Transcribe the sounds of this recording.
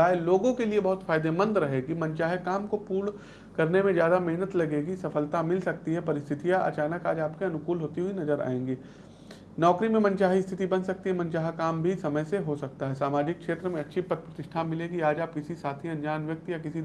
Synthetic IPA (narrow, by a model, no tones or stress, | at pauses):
aːeloːɡõkeliebɐɦʊt̪faːɪd̪emə̃nd̪ɾɐɦeːɡimɐ̃ɲt͡ʃaːɦekaːmkopuːɽ | kɐɾnemẽzjaːd̪amɛɦnət̪lɐɡeːɡisɐfəlt̪amɪlsɐk̚t̪iɦɛpɐɾɪst̪ʰɪt̪ijaʔɐ̰t͡ʃaːnəkaːd͡ʒaːpkeɐnʊkuːlɦoːt̪iɦuinɐzəɾa̰ːẽːŋɡiː | nɔːkɾimẽmɐ̃nt͡ʃaːɦist̪ʰɪt̪ibɐnsɐk̚t̪iɦɛmɐ̃nt͡ʃaːɦekaːmbʱisɐməjseɦosɐk̚t̪aɦɛsaːmaːd͡ʒɪkːʃeːt̪ɾəmẽɐtːʃʰipɐt̪̚pɾət̪ɪʃʈʰamɪleːɡiaːd͡ʒaːp̚kɪsisaːt̪ʰiɐ̃nd͡ʒaːnʋjɐk̚t̪jakɪsi